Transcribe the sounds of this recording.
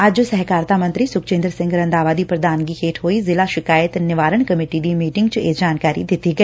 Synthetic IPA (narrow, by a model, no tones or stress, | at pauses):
ɐd͡ʒsɛɦkaːɾt̪amɐ̃nt̪ɾisʊkt͡ʃẽːnd̪ɾsɪ̃ŋɡɾə̃nd̪aːʋaːd̪ipɾɐd̪aːnɡikʰeːʈʰɦoːizɪlaʃɪkaːjət̪nɪʋaːɾəɳ̃kɐmɪːʈid̪imiːʈɪŋɡt͡ʃed͡ʒaːnkaːɾḭd̪ɪt̪iɡɐiː